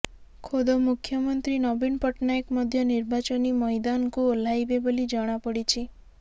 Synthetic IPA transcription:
kʰod̪omukʰjɔmɔnt̪ɾinɔbinpɔʈnaekmɔd̪ʱjɔniɾbat͡ʃɔnimɔjd̪ankuolajbebɔlid͡ʒɔɽ̃apɔɽit͡ʃʰi

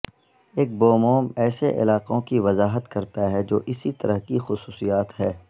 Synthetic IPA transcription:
eːk̚boːmoːmɛːseʔɪ̰laːqõkiʋɐzaːɦət̪kɐɾt̪aɦɛd͡ʒo̰ːʔɪsit̪ɐɾəɦkixʊsuːsijaːt̪ɦɛː

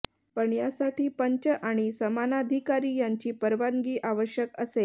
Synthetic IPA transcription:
pəɳjasaʈiːpəɲt͡ɕəʔaɽ̃isəmanad̪ʱikaɾiːjaɲt͡ɕiːpəɾʋaŋɡiːʔaʋəɕjəkəse

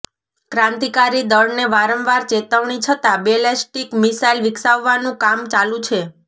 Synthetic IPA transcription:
kɾãnt̪ikaɾid̪əɾneʋaɾəmʋaɾt͡ʃet̪əʋɳ̃it͡ʃʰət̪abelesʈikmisailʋɪksaʋːanũkamt͡ʃalũt͡ʃʰe

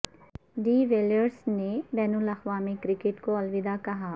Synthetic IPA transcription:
ɖiːʋeːləɾsnebɛːnʊlɐxʋaːmikɾɪkeʈkoɐlʋɪd̪akɐɦaː

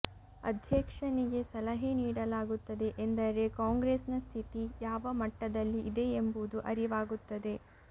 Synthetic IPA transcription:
ɐ̰d̪ʱjɐkʂɐniɡe̞sɐlɐɦeniːɽɐlaːɡut̪ːɐd̪e̞ʔend̪ɐɾe̞kaːŋɡɾesnɐst̪ʰit̪ijaːʋɐmɐʈːɐd̪ɐlːiʔːd̪e̞ːmbud̪uʔɐɾiʋaːɡut̪ːɐd̪e̞

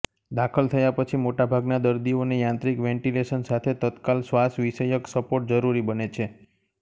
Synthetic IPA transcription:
d̪akʰəlt̪ʰəjapət͡ʃʰimoʈabʱaɡnad̪əɾd̪ionejãnt̪ɾikʋɛ̃ɳʈileʃənsat̪ʰet̪ət̪kalsʋasʋiʃəjəksəpoʈ̚d͡ʒəɾuɾibənet͡ʃʰe

